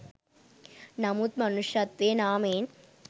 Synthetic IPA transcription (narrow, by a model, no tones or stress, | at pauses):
nɐmut̪̚mɐnuʂɐt̪ʋeːnaːmeːn